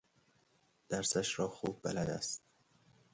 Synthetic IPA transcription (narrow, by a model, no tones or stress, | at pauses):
d̪̥æɾsæʃɾɒːxuːb̚ːæ̰læd̪æ̰st̪̚